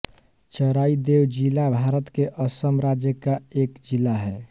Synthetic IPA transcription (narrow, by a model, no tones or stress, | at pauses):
t͡ʃəɾaid̪ewd͡ʒilabʱaɾət̪keʔəsəmɾad͡ʒjəkaekd͡ʒilaɦɛː